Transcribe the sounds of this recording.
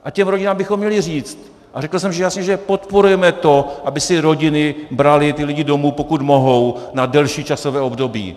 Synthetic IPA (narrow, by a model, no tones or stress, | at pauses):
ʔacɛmɾoɟɪnaːmbɪxomːɲɛlɪr̝iːt͡st̪ | ʔarɛkl̩sɛmʒɛjasɲɛʒɛpo̞t̪po̞ɾujɛmɛt̪o̞ʔabɪsɪɾo̞ɟɪnɪbɾalɪt̪ɪlɪɟɪdo̞muːpo̞kut̪mo̞ɦo̞wnadɛlʃiːt͡ʃasovɛːo̞bdo̞bḭː